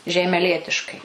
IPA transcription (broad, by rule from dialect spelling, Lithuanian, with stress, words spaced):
ʒʲɛɪmʲɛˈlʲiɛtʲɪʃkɐɪ